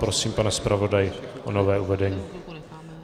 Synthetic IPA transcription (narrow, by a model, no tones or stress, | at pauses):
pɾosiːmpanɛspɾʔavo̞dajɪʔonovɛːʔuvɛdɛɲiː